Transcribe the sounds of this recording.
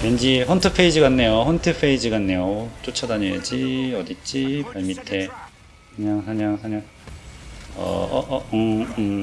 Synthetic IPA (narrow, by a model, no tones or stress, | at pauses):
mend͡ʑiɸʌntʰɯpʰe̞id͡ʑiɡanːe̞joɸʌntʰɯpʰeid͡ʑiɡanːe̞jot͡ɕ͈ot͡ɕʰʌdaɲiḛd͡ʑiʌdit͡ɕ͈ipaɭmitʰe̞ | kɯɲaŋsʰaɲaŋsʰaɲaŋ | ʌ̰ʌʔ